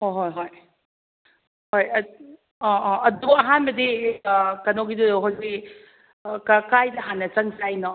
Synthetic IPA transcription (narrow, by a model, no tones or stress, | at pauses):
hojɦojɦoj | hoj | ɔɔɐduɐɦanbɐdi | kɐnoɡiduɦawzik | kɐkajnɐɦanːɐt͡ʃɐŋsajnɔ